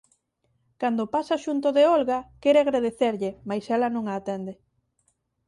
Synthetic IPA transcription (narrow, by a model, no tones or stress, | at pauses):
kand̪opasaʃunt̪oðeɔlɣakɛɾeaɣɾað̞eθeɾʎɪmajsɛlɐnõŋaːt̪ɛnd̪ɪ